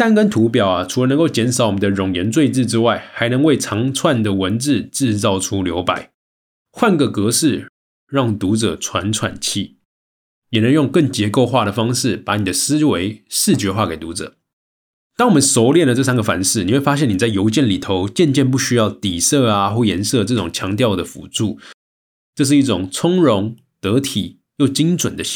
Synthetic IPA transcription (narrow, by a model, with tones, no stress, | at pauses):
t̪a˥˨nkə˥nt̪ʰu˧˥pjɑ˨˩ʊa˨ʈ͡ʂʰu˧˥lə˧nə˧˥ŋko˥˩ʊt͡ɕjɛ˧˥nʂɑ˨˩˦wɔ˨˩mə˦nd̪ə˧ɻʊ˨˩ŋjə˧˥nt͡swe˥˧ɪt͡sɻ̩˥˧ʈ͡ʂɻ̩˥wa˥˩ɪxa˧˥ɪnɤ˧˦ŋwe˥˩ɪt͡sʰɑ˧˥ŋt͡sʰwa˥˩nd̪ə˩wə˧˦nt͡sɻ̩˥˩˨ʈ͡ʂɻ̩˥˧t͡sɑ˥˩ʊʈ͡ʂʰu˥ljo˧˥ʊpa˨˩˦ɪ | xwa˥˩nkə˩kɤ˧˥ʂɻ̩˥˩ | ɻɑ˥˩ŋt̪u˧˥ʈ͡ʂɤ̰˨˩t͡sʰwa˧˦˥nt͡sʰwa̰˨˩nt͡ɕʰi˥˩ | jɛ˨˩nə˧˥˦ŋjʊ˥˧ŋkə˥˩ŋt͡ɕjɛ˧˥ko˥˧ʊxwa˥˩ɾə˩fɑ˥ŋʂɻ̩˥˩pa˧˥ni˨˩d̪ə˦sɹ̩˥we˧˥ɪʂɻ̩˥˩t͡ɕɥɛ˧˥xwa˥˩ke˨˩ɪt̪u˧˥t͡sɤ̰˨˩ | t̪ɑ˥ŋwɔ˨˩mə˨˦nso˧˥ʊljɛ˥˩ndə˩t͡sɤ˥˧s̬a˥nɡə˨˩fa̰˧˥nʂɻ̩˥˩ni˨˩xwe˥˩fa˥ɕ̬ɛ˥˩ni˨˩t͡sa˥˩ɪjo˧˥ʊt͡ɕjɛ˥˩nli˨˩t̪ʰo˧˦ʊt͡ɕjɛ˥˧nt͡ɕjɛ˥˧np̬u˥˩ɕy˥jɑ˥˩ʊt̪i˨˩sɤ˥˩a˨xwɔ˥˩jɛ˧˥nsɤ˥˩ʈ͡ʂɤ˥˩ʈ͡ʂʊ˨˩ŋt͡ɕʰjɑ˧˥ŋt̪̬jɑ˥˩ʊd̪ə˩fṵ˨˩ʈ͡ʂu˥˩ | ʈ͡ʂɤ˥˧ʂ̬ɻ̩˥˩i˥˩t͡sʊ˨˩ŋt͡sʰʊ˥ŋɻʊ˧˦˥ŋ | t̪ɤ˧˥t̪ʰi˨˩ | jo˥˩ʊt͡ɕi˥ŋt͡swə˨˩nd̪ə˦